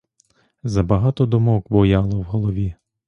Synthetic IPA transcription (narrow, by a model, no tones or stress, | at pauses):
zɐbɐɦɑt̪ɔd̪ɔmɔkbɔjɑlˠɔwɦɔlˠɔʋʲi